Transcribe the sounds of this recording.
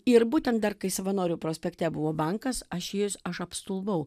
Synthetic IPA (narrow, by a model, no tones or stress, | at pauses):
ɪɾbuːt̪ʲɛnt̪d̪ɐrkɐɪsɐʋɐnoːɾʲʊpɾoːsʲpʲɛkt̪ʲɛbʊʋoːbɐŋkɐsɐʃjɪsɐʃɐpst̪ʊlˠbɐʊ